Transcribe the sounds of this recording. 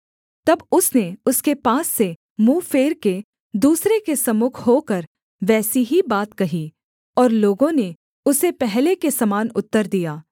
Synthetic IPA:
t̪ɐbʊsneʊskepaːsːe | muːfeːɾke | d̪uːsɾekesɐmʊkʰɦoːkɐɾ | ʋɛːsiɦibaːt̪kɐɦi | ɔːɾloːɡõne | ʊsepɛɦlekesɐmaːnʊt̪ːəɾd̪ijaː

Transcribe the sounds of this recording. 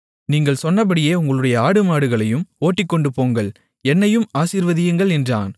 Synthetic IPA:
niːŋɡɐɭsɔnːɐp̬ːɐɽɪjeːʊŋɡɐɭɯɽɐjɐaːɽɯmaːɽɯɣɐɭɐjɯmoːʈːɪkːɔɳɖɯpoːŋɡɐɭ | ɛnːɐjɯmaːsiːɾʋɐðɪjɯŋɡɐɭɛndra̰ːn

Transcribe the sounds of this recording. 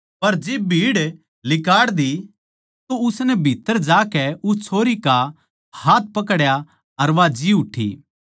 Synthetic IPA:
pɐɾd͡ʒeːbbʱiːɽ | lɪkaːɽd̪i | t̪oʊsnɛbʱit̪ːəɾd͡ʒaːkɛʊt͡ʃʰoːɾika | haːt̪̚ʰpɐkɽja | ɐɾʋad͡ʒiʊʈʰːḭ

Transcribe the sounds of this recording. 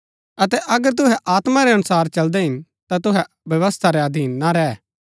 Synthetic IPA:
ɐt̪ɛʔɐɡəɾt̪̬ʊɦɛʔaːt̪maɾɛɦɐnʊsaːɾt͡ʃɐld̪ɛɦɪn | t̪at̪ʊɦɛ | ʋjɐʋəst̪ʰaɾɛɐd̪ʱiːnːaɾɛː

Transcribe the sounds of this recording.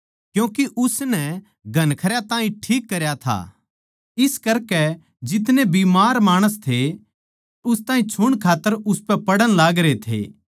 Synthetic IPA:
kjũːkiʔʊsnɛ | ɡʱɐnkʰɐɾjat̪aːĩʈʰiːkːɐɾjat̪ʰa̰ː | ɪskɐɾkɛ | d͡ʒɪt̪nebiːmaːɾmaːɽ̃əst̪ʰe | ʊst̪ãːĩt͡ʃʰʊɽ̃kʰaːt̪ːəɾʊspɛpɐɽəɽ̃laːɡɾet̪ʰḛː

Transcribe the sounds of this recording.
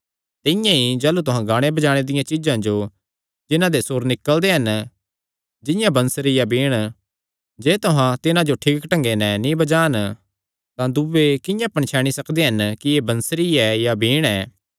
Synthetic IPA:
t̪ɪjãid͡ʒɛːlut̪ʊɦãɡaːɽ̃ebɐd͡ʒaːɽ̃ed̪ɪjãt͡ʃɪd͡ʒãd͡ʒo | d͡ʒɪnãd̪esoːɾnɪkːəld̪eɦɐn | d͡ʒɪ̃jãbɐ̃nsɾijabiːɽ̃ | d͡ʒɛːt̪ʊɦãt̪ɪnãd͡ʒoʈʰiːkʈɐ̃ŋɡenɛ̃nĩbɐd͡ʒaːn | t̪ãd̪ubekɪ̃jãpɐɳ̃t͡ʃʰaːɽ̃isɐkd̪eɦɐnkiebɐ̃nsɾiɛjabiːɽ̃ɛː

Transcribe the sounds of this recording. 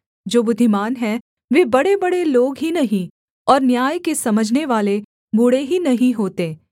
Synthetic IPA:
d͡ʒoːbʊd̪ʱːɪmaːnɦɛ | ʋeːbɐɽebɐɽeloːɡɦinɐɦĩ | ɔːɾnjaːjkesɐməd͡ʒʱneʋaːle | bʊɽeɦinɐɦĩɦoːt̪eː

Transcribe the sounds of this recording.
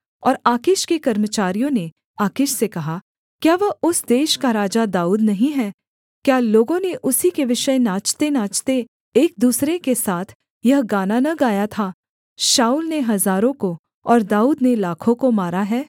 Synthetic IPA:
ɔːɾaːkɪʃkekɐɾmət͡ʃaːɾijõne | aːkɪʃsekɐɦa | kjaːʋɐʊsd̪eːʃkaɾaːd͡ʒad̪aːuːd̪nɐɦĩɦɛː | kjaːloːɡõneʔʊsikeʋɪʃəjnaːt͡ʃt̪enaːt͡ʃt̪e | eːk̚d̪uːsɾekesaːt̪ʰ | jɐɦɡaːnanɐɡaːjat̪ʰaː | ʃaːuːlneɦɐzaːɾõko | ɔːɾd̪aːuːd̪nelaːkʰõkomaːɾaɦɛː

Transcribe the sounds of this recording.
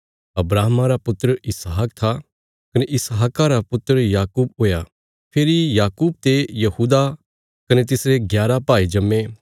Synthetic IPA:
ɐbɾaːɦmaɾapʊt̪ːəɾəɪsɦak̚t̪ʰa | kɐneʔɪsaɦaːkaɾapʊt̪ːəɾjaːkuːb̚oːja | pʰeːɾijaːkuːb̚t̪ejɐhuːd̪a | kɐnet̪̬ɪsɾeɡjaːɾapaːid͡ʒɐmːẽ

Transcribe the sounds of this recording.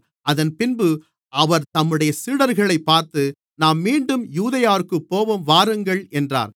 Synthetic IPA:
ʔɐðɐnpɪnbɯ | ʔɐʋɐɾt̪ɐmːɯɽɐjɐsiːɽɐɾɣɐɭɐɪpːaːɾt̪ɯ | naːmːiːɳɖɯmjuːðɐjaːɾɯkːɯpːoːʋɐmʋaːɾɯŋɡɐɭɛndra̰ːɾ

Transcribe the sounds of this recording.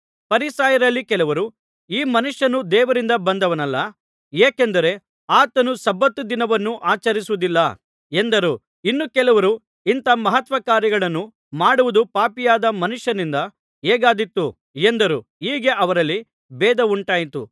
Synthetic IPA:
pɐɾisaːjɐɾɐlːikɛlɐʋɐɾu | iːmɐnuʂjɐnud̪ɛːʋɐɾind̪ɐbɐnd̪ɐʋɐnɐlːɐ | eːkend̪ɐɾe̞ | aːt̪ɐnusɐbːɐt̪ːud̪inɐʋɐnːuʔaːt͡ʃɐɾisuʋud̪ilːɐ | e̞nd̪ɐɾu | inːukɛlɐʋɐɾu | int̪ɐmɐɦɐt̪ʋɐkaːɾjɐɡɐɭɐnːu | maːɽuʋud̪upaːpijaːd̪ɐmɐnuʂjɐnind̪ɐ | eːɡaːd̪it̪ːu | end̪ɐɾuiːɡe̞ʔɐʋɐɾɐlːi | bɛːd̪ɐuɳʈaːjit̪ṵ

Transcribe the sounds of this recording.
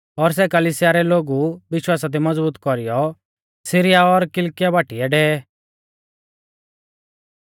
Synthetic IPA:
ɔɾs̬ɛkɐliːsɪjaɾɛloːɡuʋɪʃwaːsad̪imɐd͡zbuːt̪kɔɾɪjɔ | sɪɾɪjaɔɾkɪlkɪjabaːʈiɛɖɛːɛ

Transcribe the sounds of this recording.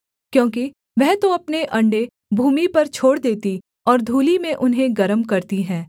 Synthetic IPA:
kjõːk̬i | ʋɛɦt̪oɐpneʔɐ̃ɳɖe | bʱuːmipɐɾt͡ʃʰoːɽd̪eːt̪i | ɔːɾd̪ʱuːlimẽʔʊnɦẽɡɐɾəmkɐɾt̪iɦɛ̃ː

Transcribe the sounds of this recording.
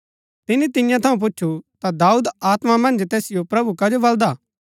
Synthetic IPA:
t̪ɪnit̪ɪnɪjãt̪ʰɐũp̬ʊt͡ʃːʃʰut̪ad̪aːuːd̪aːt̪mamɐ̃nd͡ʒt̪eːsɪjopɾɐbukad͡ʒobɐld̪aː

